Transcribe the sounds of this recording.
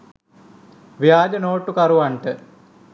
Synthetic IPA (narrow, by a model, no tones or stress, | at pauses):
ʋjaːd͡ʒɐnoːʈːukɐɾuʋɐɳʈə